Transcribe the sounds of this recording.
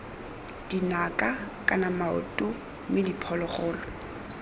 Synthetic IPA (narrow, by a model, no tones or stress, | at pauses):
d̥inakʼakʼanamaʊ̰tʼʊ | mɪdipʰɔlɔχɔːlɔ